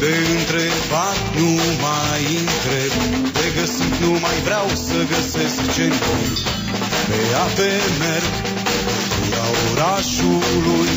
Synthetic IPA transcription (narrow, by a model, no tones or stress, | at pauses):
b̪eɨnt̪ɾebat̪numa | jɨnt̪ɾeb | d̪eɡəsinumajvɾawsəɡəseskt͡ʃent̪ul | peapemeɾɡ | ku | aoɾaʃuluj